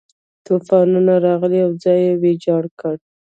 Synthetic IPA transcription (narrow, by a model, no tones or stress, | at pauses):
t̪ufɑnunaɾɑɣəliawd͡zɑjewed͡ʒɑɽkəɽ